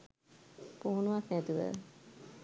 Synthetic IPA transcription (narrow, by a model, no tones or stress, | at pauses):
poɦunuʋasnæt̪uʋə̰